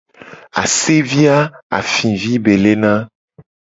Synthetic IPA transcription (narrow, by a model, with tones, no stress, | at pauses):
a̰˨se˦vi˦a˦a̰˨fĩ˨vi˦be˨le˦nã˦